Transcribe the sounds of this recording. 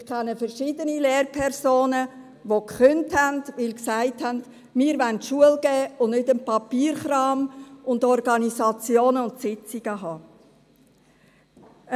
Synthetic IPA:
mɪɾkʰɛnəfəɾʃidənileːɾpʰɛɾsoːnə | ʋokχʏnthændʋɪlksæɪthænd | mɪːəɾʋæntʃuəlɡ̥ɛːʊnnʏdənpɑpiːɾχɾɑːmʊndɔɾɡɑnisɑt͡sjoːnəʊntsɪt͡siɡ̥əɦɑː

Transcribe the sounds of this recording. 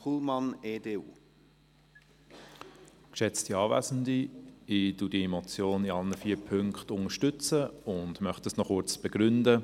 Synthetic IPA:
χulmɑneːdeːṵː | kʃɛt͡stiɑːvæ̰zn̩diɪdudiemɔt͡sjoːniɑlnəfiːpʰʏŋkχtʊŋəʃtʏt͡səʊndmœχtəsnɔχʊɾt͡sb̥ɛɡ̥ɾʏndə

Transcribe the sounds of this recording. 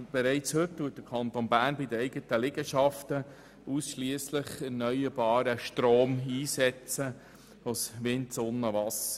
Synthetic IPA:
b̥ɛɾɛɪt͡shɵttːuːət̚d̥əɾkʰɑnt̪onbæːɾnbid̪əɛɪɡətəlɪɡəʃɑftə | ʔusʃliəslɪχɛɾnœjəɾbɑːɾəʃtɾoːmiːsɛt͡sə | osʋɪntsonːəʋɑsə

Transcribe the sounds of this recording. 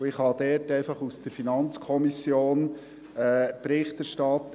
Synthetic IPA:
ɪχhɑd̥̪ɛɾtɛɪfɑχusd̥̪əɾfinɑnt͡skʰɔmisjoːn | ɛpɾɪχtæɾʃtɑt̪

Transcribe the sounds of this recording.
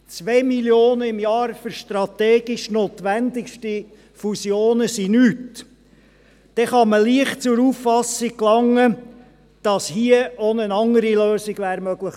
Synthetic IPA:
t͡sʋeːmiljoːnəɪmjɑːɾfʏɾʃtrɑt̪ɛːɡɪʃnoːt̪ʋænd̪ɪkʃti | fusjoːnəsinyːt | d̥ɛχɑməliəχtt͡sʊɾuːffɑsɪk̚klɑŋːə | d̥ɑshiəonənɑŋəɾiløːsɪɡ̥ʋæːɾmœɡ̥ləχ

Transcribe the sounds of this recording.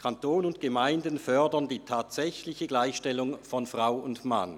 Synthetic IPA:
kʰantoːnʊnt̚ɡ̥əmaɪndənfœɐdɐndiːtʰaːtz̥ɛçlɪçəɡlaɪçʃtɛlʊŋfɔnfʁaʊʊntma̰n

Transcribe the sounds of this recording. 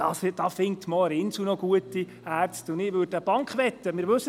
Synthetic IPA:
ɑsd̥ɑfɪŋtmɔːəɾɪnsunɔɡ̥uətːi | æːɾt͡stʊndɪʋødəb̥ɑŋkχʋɛtːəmɪːɾʋɵsːə

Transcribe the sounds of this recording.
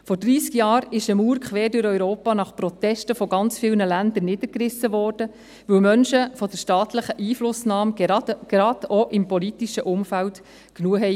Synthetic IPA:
fɔɾd̥ɾiːskjɑːɾɪʃəmuːɾkχʋeːɾdʊɾœʏɾoːpɑnɑχpɾɔt̪ɛʃtəfɔɡɑnt͡sfɪlnəlænd̪əɾnɪd̥̪əɾkɾɪsːəʋɔːrd̥ə | ʋɵwmœnʃəfɔd̥əʃtɑːt̪ləχəʔiːflʊsnɑːmɡ̥ɾɑd̪ɔʔɪmpɔlit̪iʃəʔʊmfælt | knuəɦɛɪ

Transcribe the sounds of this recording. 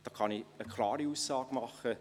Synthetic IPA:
d̥ɑːkʰɑniəkʰlɑːɾiuːsːɑːɡmɑχə

